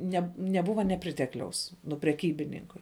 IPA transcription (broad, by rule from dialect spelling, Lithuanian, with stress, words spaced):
ˈnʲɛ nʲɛˈbʊʋɐ nʲɛˈpʲrʲɪtʲɛklʲɛʊs nʊ pʲrʲɛˈkʲiːbʲɪnʲɪŋkʊɪ